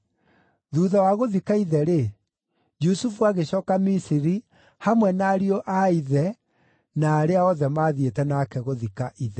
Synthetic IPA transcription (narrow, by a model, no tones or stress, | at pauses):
ðuːðawaɣoðikaiðɛɾe | d͡ʒusufuaɣeɕɔːkamisiɾi | hamwɛnaːɾiɔʔaiðɛ | naːɾeaɔðɛmaðietɛnakɛɣoðikaʔiðɛ